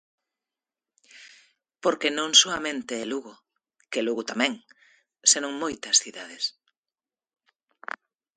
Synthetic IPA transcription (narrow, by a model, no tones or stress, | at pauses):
poɾkenõŋsoamẽnt̪eːluɣʊ | keluɣʊt̪amɛ̃ŋ | senõŋmojt̪ɐsθiðaðes